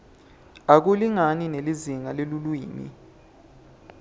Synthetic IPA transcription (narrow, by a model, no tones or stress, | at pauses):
ak̬uliŋanineliziŋalelulwiːnḭ